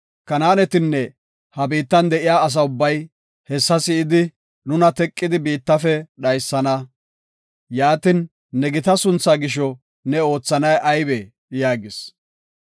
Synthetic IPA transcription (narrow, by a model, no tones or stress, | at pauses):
kɐnaːnɛt̪ɪnːɛ | hɐbiːt̪ːɐnd̪ɛʔɪjaːɐs̬ɐʊbːɐj | hɛsːɐsɪɪd̪ɪ | nʊnɐt̪ɛkʼːɪd̪ɪbiːt̪ːɐfɛɗɐjsːɐnɐ | jaːt̪ɪnː | ɛɡɪt̪ɐsʊnt͡sːaːɡɪʃ̬ɔ | nɛo̞ːt͡sːɐnɐjʔɐjbe | jaːɡɪs